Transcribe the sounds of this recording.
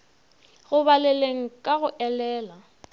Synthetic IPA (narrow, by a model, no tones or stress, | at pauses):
ɣʊβalɛleŋ̩kʼaɣʊʔɛlɛːla